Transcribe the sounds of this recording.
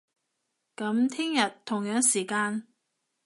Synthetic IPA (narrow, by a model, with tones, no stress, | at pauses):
kɐ˨˥mt̪ʰɪ˥ŋjɐ˨t̪ʰːʊ˨˩ŋjœː˨˥ŋsiː˨˩kaː˧n